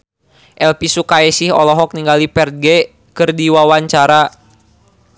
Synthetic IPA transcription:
ʔɛlpisukaɛsihɔ̰lɔɦɔk̚niŋɡalipɛrt̪̚ɡɛ | kɨrdiwawaɲt͡ʃaɾa

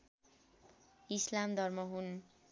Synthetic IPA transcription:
islamd̪ʱʌrmʌɦun

